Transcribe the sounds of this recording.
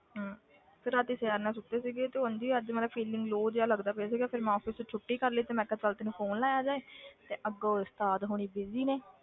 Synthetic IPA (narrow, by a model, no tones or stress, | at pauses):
ɦãː | pʰɪɾaːt̪iːsɛɾnãːsʊt̪ːeːsiːɡeːt̪eːõnd̪iːəd͡ʒmət̪ləbpʰiːlɪŋɡloːd͡ʒaːləɡd̪aːpeas̬iːɡaːpʰɪɾmɛ̃ːɔːpʰɪsũːt͡ʃʰʊʈːiːkəɾliːt̪eːmɛ̃ːkə̃t͡ʃəlt̪eːnũːpʰoːnlaːjaːd͡ʒaːeːt̪eːʔəɡoːst̪aːd̪ɦoːɽ̃iːbɪziːneː